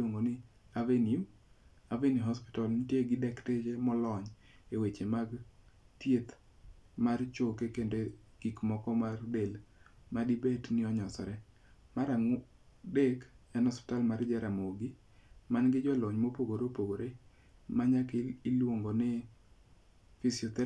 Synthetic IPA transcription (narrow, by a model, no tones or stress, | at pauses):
loŋɡonɪ | avenim | aveniɦɔspɪ̥tɔlnɪtjeɡɪdɛktet͡ʃemɔlɔɲ | ewet͡ʃemaɡ | tjet̪ | mart͡ʃokekende | ɡ̥ikmɔkɔmardelmadibetnɪɔɲɔsɔ̰ɾɛ | maɾaŋ | dekɛnɔspɪ̥talmard͡ʒɛɾamoɡi | manɡɪd͡ʒɔloɲmopoɡoɾopoɡoɾe | maɲakːlwoŋɡonɪ | fisiɔt̪ɛ